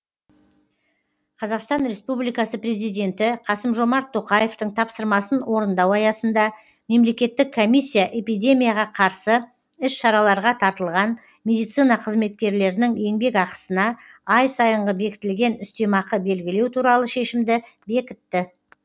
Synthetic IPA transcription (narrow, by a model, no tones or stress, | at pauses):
qʰɑzɑqst̪ɑnɾe̞spublijkɑsəpre̞zijd̪ʲe̞nt̪ɪqʰɑsəmʒo̞mɑɾt̪ʰːo̞qɑje̞ft̪əɴt̪ʰɑpsəɾmɑsənwo̞ɾənd̪ɑwɑjɑsənd̪ɑ | me̞mle̞kʲe̞t̪ːɪkʰːo̞mijsʲːijaʔe̞pijd̪ʲe̞mʲijaʁɑqʰɑɾsə | ɪsʃɑɾɑlˠɑɾʁɑt̪ʰɑɾt̪əlˠʁɑn | mʲe̞d̪ijt̪sijnɑqʰəzme̞t̪̚kʲe̞ɾle̞ɾɪnɪŋje̞ŋbe̞kɑqə̥sənɑ | ɑjsɑjəɴʁəbe̞kʲɪ̥t̪ɪlɡʲe̞nʏst̪e̞mɑqəbe̞lɡʲɪle̞wt̪ʰuɾɑlˠəʃe̞ʃɪmd̪ɪ | be̞kʲɪt̪ːɪ